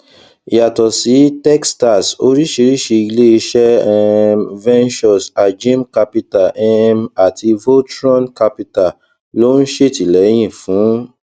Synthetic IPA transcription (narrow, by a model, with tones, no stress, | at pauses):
i˨ja˨tɔ˨si˨˦tɛ˦ksta˨so˧ɾi˦ʃi˧˦ɾi˦ʃi˧i˧le˦i˧ʃɛ˦ɛ˧vɛ̃˦nt͡ʃɔ˨sa˨d͡ʒĩ˦mka˧pi˧ta˨ʔɛ˦ma˨tʰi˧vo˦tɾɔ̃˦nka˧pi˧ta˨ | lo˦n̩˦ʃe˦˨ti˨lɛ˨˦j̃ĩ˦˨fũ˨˦